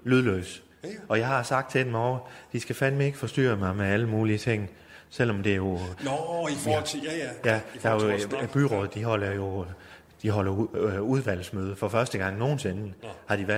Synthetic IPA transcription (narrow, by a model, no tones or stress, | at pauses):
lyðˠløːs | ɒ̽jɑ̈ɪhɑ̈sɑ̈ɡ̥d̥̚t͡sʰe̝d̥emɒʊɐd̥isɡ̥æfænmieɡ̥fɒ̽sd̥y̰ːɐmɑ̈ɪmeæləmuːliət͡sʰe̝ŋ̰ | sel̰ɒ̽md̥e̝jo | jæd̥eb̥yʁɔ̽ð̞̩ˠd̥iɦɒl̰ɐjo̝ | d̥iɦɒ̽lɐuð̞ˠʋæl̰smøːð̞ˠəfɒ̽fɶɐsd̥əɡ̥ɑ̈ŋ̰no̝ːn̩se̝nəhɑ̈d̥iʋæ